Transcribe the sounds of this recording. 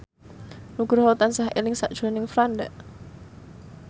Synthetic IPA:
nuɡ̥ɾɦɔt̪ansahʔḛlɪŋsa̰ʔd̥ʒ̥o̤nɪŋfɾand̪ɛʔ

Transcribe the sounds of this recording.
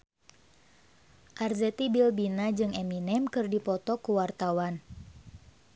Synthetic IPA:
ʔarzɛt̪ibilbinad͡ʒɨŋɛminɛmkɨrdipɔt̪ɔkuwart̪awan

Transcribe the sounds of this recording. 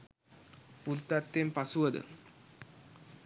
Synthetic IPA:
pult̪at̪ːempasuʋəd̪ə̰

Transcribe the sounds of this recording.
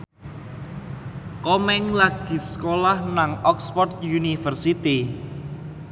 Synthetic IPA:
kɔmɛŋlaɡ̥i̤skolahnaŋɔksfɔrt̪̚junifərsit̪i

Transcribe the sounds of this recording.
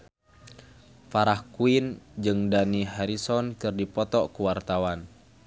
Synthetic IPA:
faɾahkuind͡ʒɨŋdaniɦaɾisɔnkɨrdipɔt̪ɔkuwart̪awan

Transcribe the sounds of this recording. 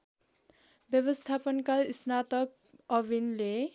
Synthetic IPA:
bjʌbʌst̪ʰapʌnkaisnat̪ʌk̚ | ʌbinle

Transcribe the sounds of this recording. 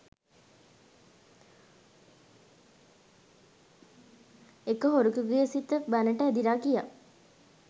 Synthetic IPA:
ekəɦoɾukəɡejəsit̪ːəbænəʈəæd̪iɾaːkija̰

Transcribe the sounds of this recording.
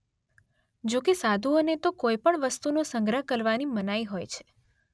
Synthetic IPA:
d͡ʒokesad̪ʱuonet̪okojpəɳʋəst̪unosəŋɡɾəɦkəɾʋanimənajɦojt͡ʃʰe̥

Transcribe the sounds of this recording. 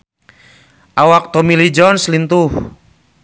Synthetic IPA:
ʔawak̚t̪omilid͡ʒɔnslint̪uh

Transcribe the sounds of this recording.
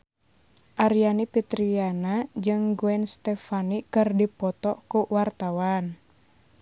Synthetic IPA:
ʔaɾijanipit̪ɾianad͡ʒɨŋɡuɛnst̪ɛfanikɨrdipɔt̪ɔkuwart̪awan

